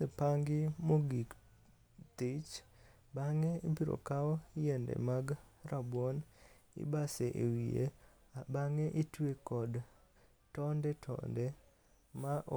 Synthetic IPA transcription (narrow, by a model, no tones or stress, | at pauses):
epaŋɡɪmoɡik | t̪ɪt͡ʃ | baŋeibiɾo̰kaɔjɛndɛ̰maɡrabwon | ɪ̰baseʔḛwie | baŋeʔitwekɔd | tɔndɛtʰɔ̰ndɛ | maʔ